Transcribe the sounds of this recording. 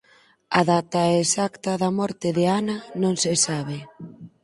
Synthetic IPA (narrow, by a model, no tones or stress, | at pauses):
ɐðat̪ɐesakt̪ɐðɐmɔɾt̪ɪðɪanɐnõŋsɪsaβ̞ɪ